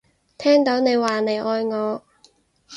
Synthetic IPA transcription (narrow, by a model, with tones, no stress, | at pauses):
t̪ʰɛː˥ŋt̪o˨˥wne˨˧jwaː˨˩ne˨˩jʔɔː˧jŋɔː˨˧